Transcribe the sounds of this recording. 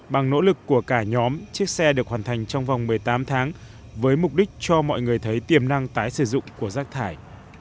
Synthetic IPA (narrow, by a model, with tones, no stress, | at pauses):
ɓa˨˩ŋno̰˧˥lɨ˨˩kːu˧˩əkaː˧˩ɲɔ˨˦mt͡ɕɨ˦˥ək̚sɛ˧ɗɨ˨˩k̚haː˨˩nt̪ʰa˨˩jŋ̟t͡ɕɔ˧wŋ͡mva˨˩wŋ͡mmɨ˨˩əjt̪aː˨˦mt̪ʰaː˨˦ŋ | vəː˨˦jmʊ˨˩k͡p̚ɗï˦˥k̟̚t͡ɕɔ˧mɔ̰˧˨jŋɨ˨˩əjt̪ʰə˨˦jt̪i˨˩əmna˧ŋt̪aː˨˦jsɨ˧˩zʊ̰˧˨ŋ͡mku˧˩əzaː˦˥k̚t̪ʰaː˧˩j